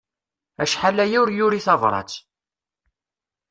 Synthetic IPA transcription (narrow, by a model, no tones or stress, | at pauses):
æʃħalːæjʊɾjʊɾiθɑvɾˤɑ̰t͡s